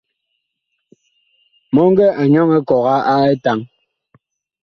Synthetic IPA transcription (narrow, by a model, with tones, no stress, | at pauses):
mɔ˦ŋ˦ɡɛ˦ʔa˨ɲɔ˦ŋɛ˦kɔ˨ɣa˦a˦e˦ta˦ŋ